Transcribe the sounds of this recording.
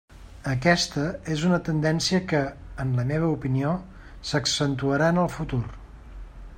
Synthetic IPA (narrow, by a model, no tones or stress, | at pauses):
əkɛst̪əezunət̪ənd̪ɛnsiəkəːnləmeβ̞əupinio | səksənt̪uəɾaənəlˠfut̪ur